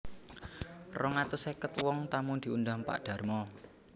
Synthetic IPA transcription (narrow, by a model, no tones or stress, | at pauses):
rɔŋat̪ʊsekət̪wɔŋt̪amund̪̥i̤und̪ampa̰ʔd̪̥ä̤rmɔ